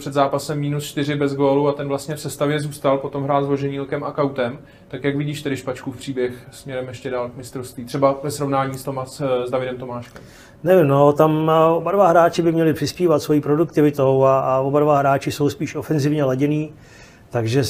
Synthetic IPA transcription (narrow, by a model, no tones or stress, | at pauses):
r̥ɛd̪zaːpasɛmːiːnust͡ʃt̪ɪɾɪbɛzɡoːluat̪ɛnvlast̪ɲɛfsɛst̪avjɛzuːst̪alpot̪o̞mɦɾaːlzvloʒɛɲiːlkɛmakawt̪ɛm | t̪akjakvɪɟiːʃt̪ɛdɪʃpat͡ʃkufpr̝̥iːbjɛxsmɲɛɾɛmjɛʃcɛdaːlkmɪst̪ɾofst̪viːt̪r̥ɛbavɛsɾovnaːɲiːst̪omazdavɪdɛmt̪o̞maːʃkɛm | nɛvɪmno̞t̪amobadvaɦɾaːt͡ʃɪbɪmɲɛlɪpr̥ɪspiːvat̪svo̞jiːpɾo̞dukt̪ɪvɪt̪o̞waaobadvaɦɾaːt͡ʃɪso̞wspiːʃo̞fɛnzɪvɲɛlaɟɛniː | t̪aɡʒɛ